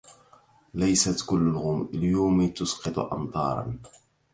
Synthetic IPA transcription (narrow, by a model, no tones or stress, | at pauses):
lajsat̪kʊlːʊlɣʊmɪljoːmt̪ʊsqɑt̪ˤʊ̰ʔɑ̰mt̪ˤɑ̰ːɾˤɑ̰n